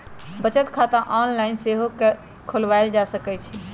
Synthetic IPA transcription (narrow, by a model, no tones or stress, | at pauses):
bət͡ʃət̪kʰat̪əʔɔnlaɪnseɦo | kʰolʋajld͡ʒasəkɛt͡ʃʰɛ